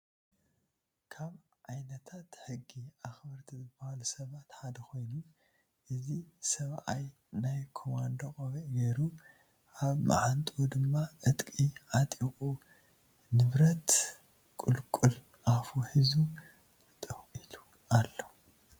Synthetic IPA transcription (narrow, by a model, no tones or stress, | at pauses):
kʰaβʕajnɐt̪ʰat̪ħɨɡːiʔaxbɐɾt̪ʰizɨbɐhalusɐβat̪ħad̪ɐxo̞jnu | ʔɨzisɐβʔaj | najkʰomand̪okʼoβiʔɡeɾu | ʔaβmʔa̰ʕant̪ʼud̪ɨmːaʔɨt̪ʼkʼiʔat̪ʼikʼu | nɨβɾɐt̪ | kʼulkʼul | ʔafuħizu | t̪ʼɨxʔilu | ʔalːo